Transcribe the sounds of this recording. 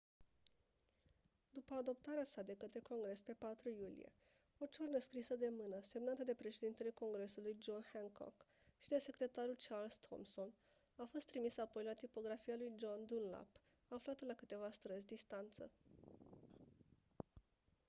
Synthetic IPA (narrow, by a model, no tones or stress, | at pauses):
d̪upəad̪o̞p̚t̪aɾeasad̪e̞kət̪ɾe̞ko̞ŋɡɾe̞spe̞pat̪ɾujulḭje̞̰ | ot͡ʃornəskɾisəd̪e̞mɨnəse̞mnat̪əd̪e̞pɾe̞ʃe̞d̪int̪e̞le̞ko̞ŋɡɾe̞sulujd͡ʒo̞nheŋkʰo̰k | ʃid̪e̞se̞kɾe̞t̪aɾult͡ʃarlst̪ʰo̰mso̞n | afo̞st̪ːɾimisəapo̞jlat̪ipo̞ɡɾafijalujd͡ʒo̞nd̪unla̰p | aflat̪əlakɨt̪e̞vast̪ɾəzʲd̪ist̪ant̪sə̰